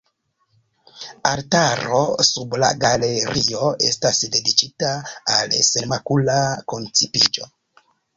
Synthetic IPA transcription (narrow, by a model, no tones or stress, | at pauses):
altaɾo̞subla̰ɡaleɾio̞e̞stasde̞dit͡ʃitaːlsemakulako̞nt͡sipid͡ʒo̞